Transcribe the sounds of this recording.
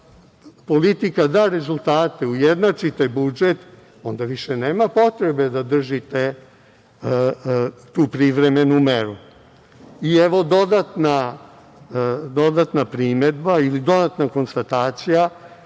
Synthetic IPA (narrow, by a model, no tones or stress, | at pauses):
polit̪ikad̪aːɾe̞zulˠt̪aːt̪e̞ujed̪nat͡ʂit̪ebud͡ʒet̪ | o̞nd̪aʋiʃeneːmapo̞t̪ɾe̞be̞d̪ad̪r̩ʒit̪e | t̪uːpɾiʋɾemenumeɾu | ieʋo̞d̪o̞d̪at̪na | d̪o̞d̪at̪napɾimed̪bailid̪o̞d̪at̪nako̞nst̪at̪aːt̪sija